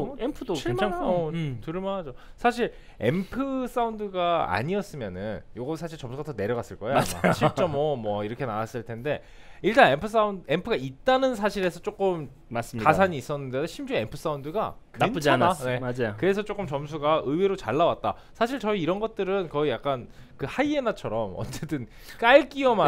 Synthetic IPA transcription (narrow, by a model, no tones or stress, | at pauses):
empʰɯdoim | tɯɭmanɦad͡ʑosʰaɕ̬ʰiɾ | e̞̰mpʰɯs͈aundɯɡaa̰ɲiʌs͈ɯmjʌnɯnjoɡʌsʰaɕʰiɭt͡ɕʌmsʰuɡatʌne̞ɾjʌɡas͈ɯɭk͈ʌejad͡ʑɕʰit͡ɕ͈ʌmːʌmwʌiɾʌkʰe̞nawas͈ɯɭtʰe̞nde̞ | iɭt͈anempʰɯs͈aunde̞mpʰɯɡait̚t͈anɯns̬ʰaɕʰiɾe̞sʰʌt͡ɕ͈ok͈ɯm | mas͈mkasʰaɲiːs͈ʌnːɯndedoɕʰimd͡ʑue̞mpʰɯs͈aundɯɡakɯant͡ɕd͡ʑanane̞ad͡ʑajokɯɾe̞s̬ʰʌt͡ɕ͈ok͈ɯmt͡ɕʌmsʰuɡaɯweɾot͡ɕaɭːawat̚t͈a̰ | sʰaɕ̬ʰiɭt͡ɕʌiːɾʌnɡʌt̚t͈ɯɾɯnkʌijak͈an | kɯhaie̞nat͡ɕʰʌɾʌmʌ̰t͡ɕ͈et͈ɯn | k͈aɭk͈iʌma